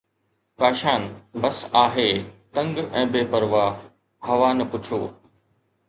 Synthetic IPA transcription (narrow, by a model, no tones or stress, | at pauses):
paːʃaːnbɐsaːɦeːt̪ɐ̃ŋɡɛ̃ːbeːpəɾʋaː | hɐʋaːnɐpʊt͡ɕʰoː